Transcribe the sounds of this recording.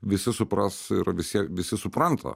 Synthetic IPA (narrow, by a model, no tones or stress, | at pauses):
ʋʲɪsʲɪsʊpɾɐsɪɾʋʲɪsʲiɛʋʲɪsʲɪsʊpɾɐnt̪ʰɐ̰